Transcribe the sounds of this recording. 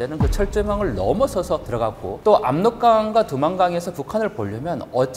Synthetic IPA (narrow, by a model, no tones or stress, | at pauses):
enɯnkɯt͡ɕʰʌɭt͡ɕ͈ɯmaŋɯɭnʌmusʰʌsʰʌtɯɾʌɡak̚k͈o̰t͈oʔa̰mnok̚k͈aŋɡwatumanɡaŋe̞sʰʌpukʰanɯɭpoʎːʌmjʌnʌt͡ɕ͈